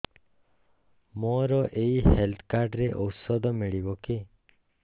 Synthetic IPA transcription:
moɾɔʔeihelt̪ʰkaɾɖɾeʔɔwsɔd̪ʱɔmiɭibɔke

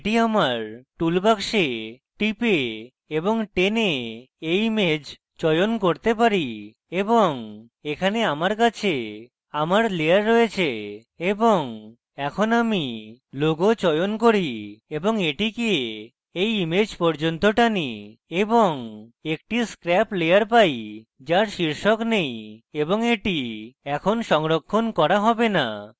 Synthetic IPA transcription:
ʈiamaɾʈulbakʃe | ʈipe | eboŋʈene | ejimed͡ʑ | t͡ʃɔjonkoɾt̪epaɾi | eboŋ | ekʰaneamaɾkat͡ɕʰe | amaɾleaɾːɔet͡ɕʰe | eboŋ | ɛkʰonamiloɡot͡ɕɔjonkoɾieboŋeʈikie | ejimed͡ʑpɔɾd͡ʑont̪oʈanieboŋek̚ʈiskɾɛplejaɾpajd͡ʑaɾʃiɾʃoknejeboŋeʈiɛkʰonʃɔŋɾokʰːonkɔɾaɦɔbena̰

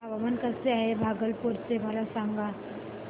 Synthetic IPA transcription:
aʋaʋənkəseaːebʱaːɡəlpuɾseʋalasamɡa

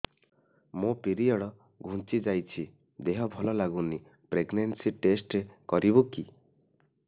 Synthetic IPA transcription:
mũpiɾijɔɽɔ | ɡʱũnt͡ʃid͡ʒajt͡ʃʰi | d̪eɦɔbʱɔlɔlaɡuni | pɾeɡnensiʈesʈɾekɔɾibuki

